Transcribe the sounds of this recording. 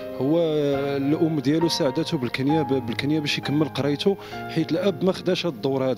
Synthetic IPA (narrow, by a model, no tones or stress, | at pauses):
hʊwːælʔʊmːd̪jælusaʕd̪æt̪ubəlkənjæbəlkənjæbæʃjkəmːəlqɑɾˤɑjt̪u | ħit̪əlʔæbːmæxd̪æʃæd̪ˤːoɾhæd̪æ